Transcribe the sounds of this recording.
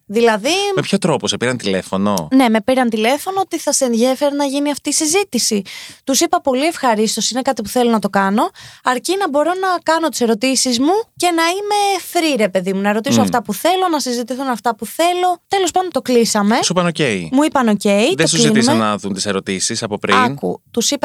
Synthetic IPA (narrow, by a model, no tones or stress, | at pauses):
ðilɐðimepçot̪ɾo̞posepiɾɐnt̪ile̞fo̞no̰ne̞mepiɾɐnt̪ile̞fo̞noot̪iθɐseenðʝe̞fe̞ɾɐnɐʝiniɐft̪iːsizit̪isit̪usipɐpo̞lie̞fxɐɾist̪o̞sine̞kɐt̪ipuθe̞lo̞nɐt̪o̞kɐno̞ɐɾcinɐbo̞ɾo̞nɐkɐnot̪i̥se̞ɾo̞t̪isizmuce̞nɐime̞fɾiɾe̞pe̞ðimunɐeɾo̞t̪isoɐft̪ɐpuθe̞lo̞nɐsizit̪iθunɐft̪ɐpuθe̞lo̞t̪e̞lo̞spɐndont̪o̞klisɐme̞sipɐnoce̞imuipɐno̞ce̞iðeosuzienɐðunt̪i̥se̞ɾo̞t̪isisɐpopɾiɐkṵt̪usipɐ